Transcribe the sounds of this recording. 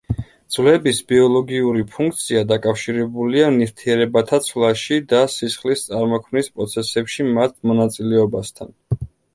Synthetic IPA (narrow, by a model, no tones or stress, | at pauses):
d̪z̥vlɛbisbiɔlˠɔɡiuɾipʰuŋk̚ʰt̪sʰiad̪akʼafʃiɾɛbulianift̪ʰiɛɾɛbat̪ʰat̪sʰlˠaʃid̪asisχlist̪sʼaɾmɔkʰmnispʼɾɔt̪sʰɛsɛpʃimat̪ʰmɔnat̪sʼilɛɔbast̪ʰa̰n